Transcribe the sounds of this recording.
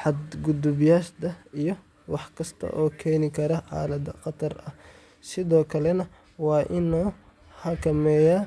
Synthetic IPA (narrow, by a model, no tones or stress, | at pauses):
ħɑd̪ɡʊd̪ʊbjaːʃd̪ɐijɞ | wɑħkʰɐst̪ʰɐ̰ʔɔːkʰɛːnɪkʰɐɾɐʕɑ̰ːlɐd̪ɐqɑt̪ʰɐrɐh | sɪðɔːkʰɐlɛnɐ | wɑːʔɪnɔː | hɐkʰɐmɛːja